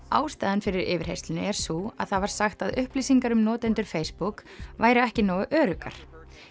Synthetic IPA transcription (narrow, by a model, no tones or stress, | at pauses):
aːwst̪aːðɪnfɪɾɪɾɪːvɪɾ̥hejsʏnʏɛɾ̥sua̰ðθaðvaɾ̥saxt̪aðʏhpliːsiŋkaɾʏmnɔːt̪ɛnt̪ʏɾ̥fejspuk | vaːjɾɪɛhcɪnaːwʔœːɾʏka̰ɾ̥